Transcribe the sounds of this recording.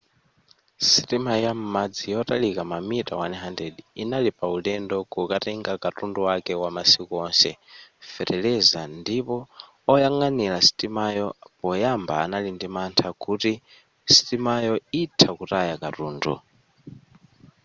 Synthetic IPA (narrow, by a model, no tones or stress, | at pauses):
sitʼimajam̩mad͡zijɔtʼalikʼamamitʼa̰wanɛɦandediinalipʼaulɛndɔkʼukʼatɛŋɡakatʼunduwakɛwamasikɔnsɛfɛɾɛlɛzandipɔː | jaŋaniɺasi̥tʼimajɔpɔjambaːnalindimantʰakuti | si̥tʼimajɔitʰakutajakatuːndṵ